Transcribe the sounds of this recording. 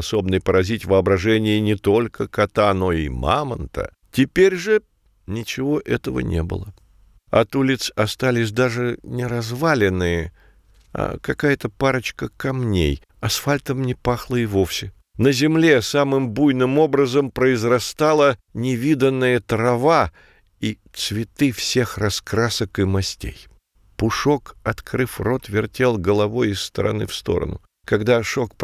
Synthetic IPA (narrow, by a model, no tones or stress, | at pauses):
so̞bnəjpəɾɐzʲitʲvəɐbɾɐʐɛnʲɪjɪnʲɪt̪o̞lʲkʰəkɐt̪ano̞ima̰mənt̪ə̰ | tʲɪpʲeɾʲʐɨ | nʲɪt͡ɕɪvo̞ʔɛt̪əvə̰nʲḛbɨ̰lˠə | ɐ̰t̪ulʲɪt̪sɐst̪alʲɪs̬ʲd̪aʐɨnʲɪɾɐzvalʲɪnːɨjə | a̰kɐkajət̪əpaɾət͡ɕkəkɐmnʲḛj | ɐsfalʲt̪əmnʲɪpaxlˠəɪvo̞fsʲɪ | nəzʲɪmlʲe̞samɨmbujnɨmo̞bɾəzəmpɾəɪzrɐst̪alˠə | nʲɪvʲid̪ənːɨjət̪ɾɐva | it̪svʲɪt̪ɨfsʲe̞xrɐskɾasəkɨmɐsʲtʲḛj | pʊʂokɐt̪kɾɨfro̞t̪vʲɪrtʲe̞lˠɡəlˠɐvo̞jɪsːt̪əɾɐ̰nɨ̰fst̪o̞̰ɾə̰nʊ̰ | kɐɡd̪aʂokp